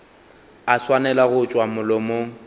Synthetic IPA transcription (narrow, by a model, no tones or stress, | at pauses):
aswanɛlaɣʊt͡ʃʼwamʊlɔmo